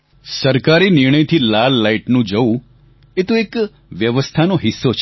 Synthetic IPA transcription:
səɾkaɾinɪɾɳ̃əjt̪ʰilalːaiʈnũd͡ʒəũ | et̪oek | ʋjəʋəst̪ʰanoɦɪsːot͡ʃʰ

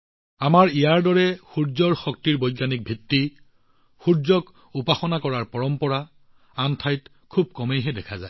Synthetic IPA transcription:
amaɹijaɹdɔɹɛxuɹzɔɹxɔk̚tiɹbɔjɡjanik̚bʱitːi | xuɹzɔk | upaxɔnakɔɹaɹpɔɹɔmpɔɹa | antʰajt | kʰub̚kɔmejɦɛdɛkʰaza̰j

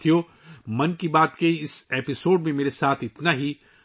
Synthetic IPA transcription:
t̪ʰijoː | mɐnkibaːt̪keɪseːpɪsoːɖmẽmeːɾesaːt̪ʰɪt̪naɦi

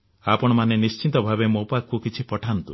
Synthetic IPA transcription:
apɔɽ̃ɔmanenist͡ʃit̪ɔbʱabemopakːukit͡ʃʰipɔʈʰant̪ṵ

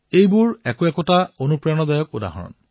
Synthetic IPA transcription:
ejbʊɹɛkʊɛkɔtaonupɹanɔdajɔk̚uda̰ɦɔ̰ɹɔ̰n

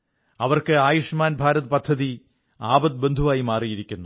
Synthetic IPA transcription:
ɐʋɐrkɨaːjuʂmaːnbʱaːɾɐðpɐd̪ʱːɐði | aːbɐd̪̚be̞nd̪ʱuʋaːjimaːrijiɾikʲːunːu

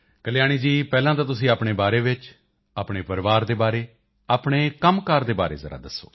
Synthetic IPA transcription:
kəljaːɽ̃iːd͡ʒiːpɛːlãːt̪aːt̪̬ʊsĩːaːpɽ̃eːbaːɾeːʋɪt͡ʃ | aːpɽeːpəɾʋaːɾd̪eːbaːɾeː | aːpɽ̃eːkəmkəɾd̪eːbaːɾḛːzə̰ɾa̰ːd̪əsːo̰ː

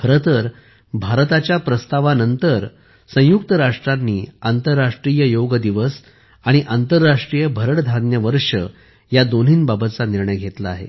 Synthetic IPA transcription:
kʰəɾət̪ʰəɾ | bʱaɾt̪at͡ɕjapɾəst̪aʋanənt̪əɾ | sə̃juk̚t̪əɾaʂʈɾanːiːant̪əɾːaʂʈɾijəjoɡəd̪iʋəs | aɽ̃iʔant̪əɾːaʂʈɾijəbʱəɾəɽd̪ʱanjəʋəɾʂə̰ | jad̪on̤iːnbabət̪t͡saniɾɳəjɡʱet̪laːɦḛ

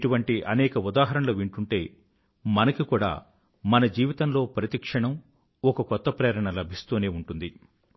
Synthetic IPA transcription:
ʈuʋɐɳʈiʔɐnɛːkɐud̪aːɦɐɾɐnɐloːʋiɳʈuɳʈe̞ː | mɐnɐkikuːɽa̰ː | mɐnɐd͡ʒiːʋit̪ɐmlo̞ːpɾɐt̪ikʂɐɳɐm | ɔkɐkɔt̪ːɐpɾeːɾɐɳɐlɐbʱist̪oːne̞ːuɳʈund̪i

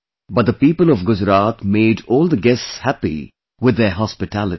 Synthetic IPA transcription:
bʌt̚d̪əpiːpəlɔvɡʊd͡ʒɾaːt̪meːɖɔːlˠd̪əɡɛstshæpḭ | wɪd̪ːəɦɑspɪʈʰælɨ

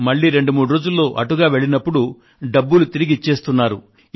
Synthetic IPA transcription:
mɐɭːiːɾe̞ɳɖumuːɽuɾo̞ːd͡ʒulːo̞ːʔɐʈuɡaːʋe̞ɭinɐpːuɽu | ɖɐbːulut̪iɾiɡit͡ʃːe̞ːst̪unːaːɾu

